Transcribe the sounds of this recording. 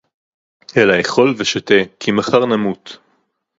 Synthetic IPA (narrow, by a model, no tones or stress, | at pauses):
ʔelaeχo̞lveʃat̪ekʰimaχaʁnamut̪